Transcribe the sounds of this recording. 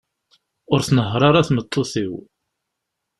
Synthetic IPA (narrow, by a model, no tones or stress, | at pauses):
ʊɾθnəɦɾˤɑɾˤaθmət̪ˤːoθiw